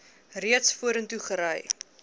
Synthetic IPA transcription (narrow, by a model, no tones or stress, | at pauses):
riətsfuəɾəntuχəɾəj